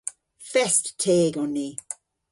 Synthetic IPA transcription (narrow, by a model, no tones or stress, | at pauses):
fɛsttʰeːɡɔnːi